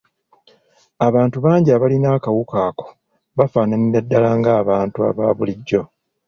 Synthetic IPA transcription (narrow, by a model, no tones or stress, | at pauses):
aβaːntuβaːɲɟiaβalinaːkawukaːko̥ | βafaːnaniɾadːalaːŋɡaːβaːntua̰βaːβuliɟːo̞